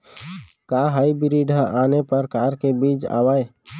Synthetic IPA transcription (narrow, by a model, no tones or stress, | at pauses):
kaːɦaːibɪɾiːɖʱəaːnepəɾkaːɾkebiːt͡ʃa̰ːʋaːe